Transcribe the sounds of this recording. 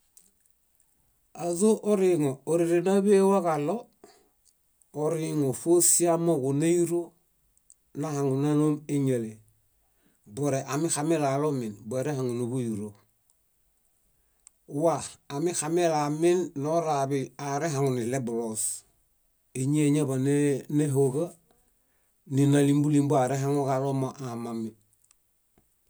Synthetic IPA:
azoʔoɾiŋooɾiɾenabewakalo | oɾiŋofosiamokunajiɾo | nahaŋunanomeɲele | boɾeʔamixamelalominboeɾehaŋunubujiɾo | waamixamelaminːoɾabiaɾeɦaŋunilebulos | iɲeɲabaneneɦoɡa | ninalimbulimbuaɾeɦaŋokalomaʔamami

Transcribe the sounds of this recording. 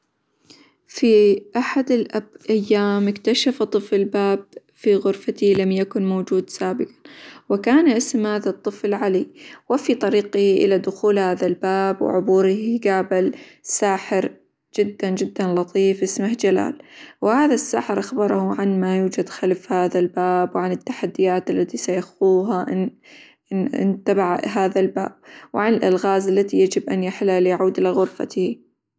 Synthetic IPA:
fiʔaħad̪ɪlʔabʔajːaːmɪkt̪aʃaft̪ˤːɨfɪlbaːb | fiɣʊɾfat̪ilamjakʊnmoːd͡ʒuːd̪saːbɪqɑ̥wɪkaːnʔɪsmhaːðat̪ˤːɨflʕaliwɪfit̪ˤɑɾiːqɪhʔɪ̰lad̪ʊxuːlhaːðalbaːbwɪ̰ʕʊbuːɾɪhɡaːbɪlsaːħɪɾ | d͡ʒɪd̪ːand͡ʒɪd̪ːanlɑt̪ˤiːfʔɪsmahd͡ʒala̰ːlwɪhaːðasːa̰ːħɪɾʔaxbɑɾˤɑhʊʕanmajuːd͡ʒad̪xalfhaːðalbaːbwʕanɪt̪ːaħad̪ːɪjaːt̪ʔalːat̪isajaxuːɦaʔ | ɪ̰nt̪abaʕɦaːðalba̰ːb̥̚wɪʕanɪlʔalɣaːzalːat̪ijad͡ʒɪbʔanjaħlalɪjʕuːd̪ʔɪlaɣʊɾfa̰t̪hi

